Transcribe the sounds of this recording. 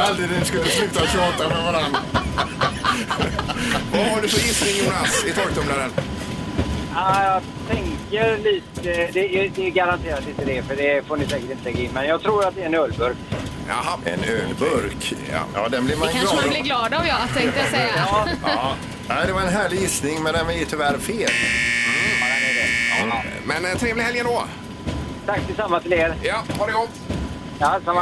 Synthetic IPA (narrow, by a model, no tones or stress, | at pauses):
alt̪ɾɪd̪ɛskɵlːəslʉ̟ːt̪at̪ʃɑːt̪amɛvaɾan | vavaɖɵfœɾjɪsɾɪŋjʊːnasɪt̪ʰɑːɡ̚d̪ɔmlaɾən | ajɑ | t̪ʰɛŋkəɾliːt̪əd̪ɛɛd̪ɛɡaɾant̪ʰeːɾat̪ɪnt̪əd̪ɛfœɖɛfoːnɪsɛːkəʈɪnt̪əlɛɡaɪnːmɛnjɑːɡ̚t̪ʰɾuːɾat̪̚d̪ɛːɾɛnøːlbɵɾk | a̰ɦaɛ̰nøːlbɵɾka̰jɑ̰ːd̪ɛnblɪvmanɑːblɪɡlɑːd̪avjɑt̪ɛŋŋt̪əjasɛjːa | næɪd̪ɛvaɾɛnɦæːɭɪjɪsnɪŋmɛnd̪ɛnvɪt̪ʰʏvæːɾfeːl | ɛɛ | mɛnt̪ʰɾeːvlɪhɛljənd̪ɔ | t̪ʰakːt̪ʰɪlsamːat̪ʰɪleːɾjahɑɖɛɡɔ | jasamːa